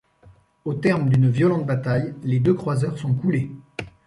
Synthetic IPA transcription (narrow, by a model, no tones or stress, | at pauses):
ot̪ɛʁmd̪ynvjɔlɑ̃t̪̚bat̪ajled̪økχwazœʁsɔ̃kule